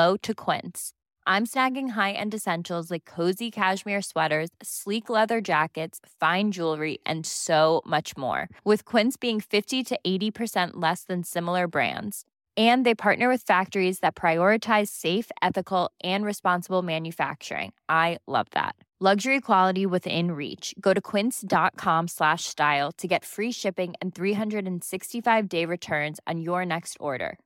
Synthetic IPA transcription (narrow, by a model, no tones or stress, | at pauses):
oʊɾɨkʰw̥ɪ̰̃nts | ʔãɪ̃msnæɡɪ̃ŋɦaɪʔɨ̰̃ndɨsɛ̃nʃl̩ˠzlaɪkʰːoʊzikʰæʃmiɹswɛɾə˞z̥sliklɛðə˞d͡ʒækɨtsfãɪ̃nd͡ʒulˠɹiʔɨ̰̃nsoʊmʌt͡ʃmɔ̰ɹwɨð̥kʰw̥ɪ̃ntsb̥iɪ̃ŋfɪftiɾɨʔeɪɾipʰə˞sɛ̃nʔlɛsðɨ̃nsɪ̃ml̩ˠə˞bɹæ̰̃ndz̥ | ɨ̃nðeɪpʰɑɹʔⁿnə˞wɨð̥fæk̚tə˞izðɨt̚pʰɹ̥aɪɔɹɨtʰaɪz̥seɪfɛθɨkl̩ˠʔɨ̃nɹɨspɑ̃nsəbl̩ˠmæ̃njɨfæ̰k̚t͡ʃə̰˞ɪ̰̃ŋʔaɪlʌ̰vðæ̰t̚ | lʌɡʒə˞ikʰw̥ɑlˠəɾiwɪðɪ̰̃nɹḭt͡ʃɡ̥oʊɾɨkʰw̥ɪ̃nsd̥ɑt̚kʰɑ̃mslæʃstaɪlˠtʰɨɡɛtfɹiʃɪpɪ̃ŋɨ̰̃nθɹiɦʌ̃ndɹɨɾɨ̃n̩sɪkstifaɪvdeɪɹɨtʰɜ̃˞nz̃n̩jə˞nɛkstɔ̰ɹɾə̰˞